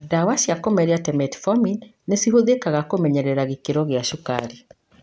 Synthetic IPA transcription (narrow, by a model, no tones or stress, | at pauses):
dawaɕiakomɛɾeatɛmɛtfɔminː | esiɦoðekaɣakomɛɲɛɾɛɾaɣekeɾɔɣjaʃuka̰ɾi